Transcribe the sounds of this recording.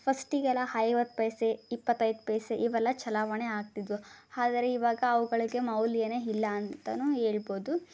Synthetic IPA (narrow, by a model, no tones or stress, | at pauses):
pʰɐsʈiɡɛlɐhɐjʋɐt̪ːpɐjseipːɐt̪ːɐjd̪pɐjseʔiʋɛlːɐt͡ʃɐlaːʋɐɳeaːɡ̚t̪id̪ʋuaːd̪ɐɾeiʋaːɡɐːʋuɡɐɭiɡe̞mɐwlijɐneilːɐːnt̪ɐnue̞ːɭboːd̪u